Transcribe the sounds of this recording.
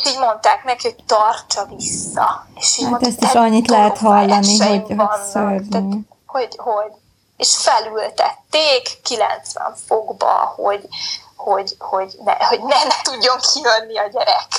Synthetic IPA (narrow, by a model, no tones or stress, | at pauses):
ʃiːɟmo̞nt̪aːknɛkiho̞t̪ɒrt͡ʃɒvisːɒ̰eʃiat̪ɛst̪iʃɒɲːit̪lɛɦɛt̪ɦɒlːɒnioɟnːsørnæi | ho̞ɟhoɟ | eʃfɛlylt̪ɛt̪ːeːkːilɛ̰nt̪sʋɛ̰ɱfoɡbɒ̰ho̞ɟho̞ɟho̞ɟnɛ̰ho̞ɟnɛnɛt̪uɟːo̞ŋkʰiønːiɒɟɛɾɛk